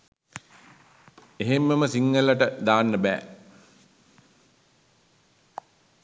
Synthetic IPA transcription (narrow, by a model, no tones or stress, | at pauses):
eɦemːəməsiŋːələʈəd̪aːnːəbæ̰ː